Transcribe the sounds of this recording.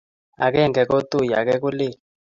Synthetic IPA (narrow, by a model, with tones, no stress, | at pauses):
a̰˨k̬ɛ˦˨ŋɡɛ˨k̬o˦tu˦˨ja˨k̬ɛ˦k̬u˦le˦˨